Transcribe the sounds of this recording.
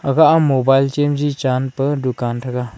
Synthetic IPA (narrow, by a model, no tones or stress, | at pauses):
ɐɡaʔamobajlt͡ʃemd͡ʒit͡ʃanpədukantʰɐka